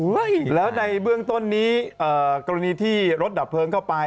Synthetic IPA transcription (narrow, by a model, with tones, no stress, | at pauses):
u˦jlɛː˦˥wna˧jbɯ˥˩əŋt̪o˥˩nːiː˦˥ʔɤː˨˩kɔː˧ɾa˧niː˧t̪ʰiː˥˩ɾo˦˥t̪̚da˨˩pʰːɤː˧ŋkʰa˥˩wpa˧